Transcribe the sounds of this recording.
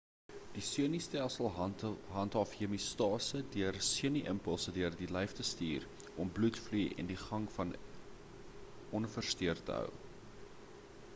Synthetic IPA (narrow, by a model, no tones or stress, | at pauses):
d̥isuənistælˠsəlˠɦɐntɑfiəmistɑːsədiərsiəniʔəmpəlˠsədiərdilɛjftəstiːr | ɔmblutflujɛ̰ndiχɐŋfɐn | ɔnfərstiərtə̰ɦə̰w